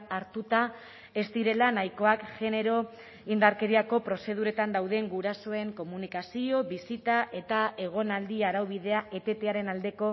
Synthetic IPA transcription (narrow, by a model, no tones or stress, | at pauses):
aɾt̪ut̪a | e̞st̪iɾe̞lanajko̞akʝe̞ne̞ɾo̞ | ind̪aɾke̞ɾiako̞pɾo̞se̞ð̞uɾe̞t̪and̪awðe̞ŋɡuɾaso̞e̞ŋko̞munikasio̞βisit̪aʔe̞t̪ae̞ɣ̞o̞nald̪iaɾawβiðe̞aʔe̞t̪e̞t̪eaɾe̞nald̪e̞ko̞